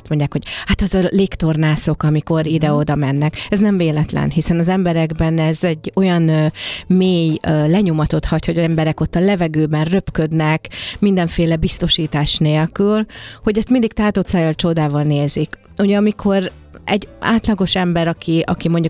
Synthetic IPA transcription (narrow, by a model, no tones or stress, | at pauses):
st̪mo̞ɲɟaːkho̞ɟ̥hat̪ɛzɒleːkt̪o̞rnaːso̞kɒmiko̞ɾid̪ɛo̞d̪ɒmɛnːɛkɛznɛɱveːlɛt̪lɛ̰nɦisɛnɒzɛmbɛɾɛɡbɛnɛzɛɟːo̞jɒnmeːjlɛɲo̞mɒt̪o̞t̪hɒcho̞ɟɒɛmbɛɾɛko̞t̪ːɒlɛvɛɡøːbɛnrø̞pkø̞d̪nɛkmind̪ɛɱfeːlɛbist̪o̞ʃiːt̪aːʃneːlkylho̞ɟɛst̪mind̪ik̚t̪aːt̪ot̪saːjɒlt͡ʃo̞d̪aːvɒlneːzik | uɟɛɒmikʰo̞ɾ | ɛɟːa̰ːt̪lɒɡo̞ʃɛmbɛɾɒkiɒkimo̞ɲɟu